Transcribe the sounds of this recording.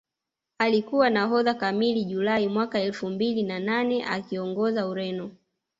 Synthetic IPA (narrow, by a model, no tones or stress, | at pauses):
alikuwanaɦɔðakamiliʄulaimwakaɛlfumbilinananɛʔa̰kiɔŋɡɔzauɾɛnɔ